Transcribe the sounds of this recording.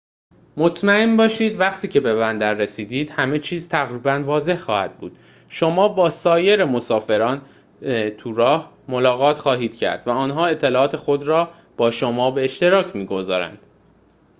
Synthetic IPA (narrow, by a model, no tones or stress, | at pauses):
mot̪ʰmæembɒːʃiːd̪væχt̪ʰiːcʰe̞be̞βænd̪æɾːesiːd̪iːd̪̥hæme̞t͡ʃʰiːzt̪ʰæɣɾiːbænvɒːze̞hxɒːhæ̰d̪̥̚bṵːd̪̥ | ʃo̞mɒːbɒːsɒːje̞ɾe̞mosɒːfe̞ɾɒːn | t̪ʰuɾɒːh | molɒːɣɒːt̪xɒːɦiːd̪̥cʰæ̰ɾd̪̥væɒːnɦɒːe̞t̪ʰːe̞lɒːɒːt̪ʰe̞xo̞d̪ɾɒː | b̥ɒːʃomɒːbe̞ːʃt̪e̞ɾɒːcʰmiːɡo̞zɒ̰ːɾæ̰nd̪̥